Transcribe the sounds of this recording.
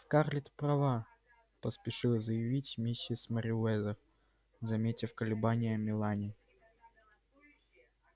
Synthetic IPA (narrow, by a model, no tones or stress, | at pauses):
skarlʲɪt̪pɾɐva | pəspʲɪʂɨlˠzəjɪvʲitʲmʲesʲːɪsməɾʲɪɛzə | zɐmʲetʲɪfkəlʲɪbanʲɪjəmʲɪlˠanʲɪ